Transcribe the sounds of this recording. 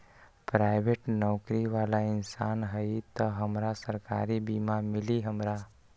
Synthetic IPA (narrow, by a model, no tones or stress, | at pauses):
pɾaɪbeʈnɔʊkɾiʋaːlaɪnsanɦəjt̪əɦəmɾasəɾka̰ːɾibimamɪliɦəmɾa